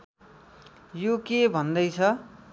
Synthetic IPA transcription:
jokebʱʌnd̪ʌjt͡sʰʌ

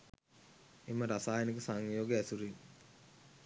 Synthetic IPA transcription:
eməɾasaːjənikəsaŋjoːɡeæsuɾi

